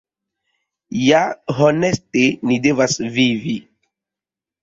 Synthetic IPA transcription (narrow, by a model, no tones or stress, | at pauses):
jaɦonestenidevasvivi